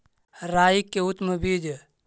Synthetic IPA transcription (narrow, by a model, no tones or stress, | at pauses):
ɾaːjikːeut̪məbid͡ʒ